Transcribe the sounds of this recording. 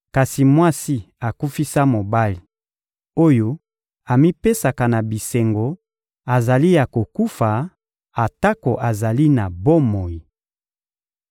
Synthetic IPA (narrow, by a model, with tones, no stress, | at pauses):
ka˨si˨mwa˦si˦ | a˨ku˦fi˦sa˦mo˨ba˦li˨ | o˦jo˦ | a˨mi˦pe˦sa˨ka˨na˨bi˨se˨ŋɡo˨ | a˨za˨li˦ja˨ko˨ku˦fa˨ | a˨ta˦ko˨ʔa˨za˨li˦na˨bo˦mo˨ji˨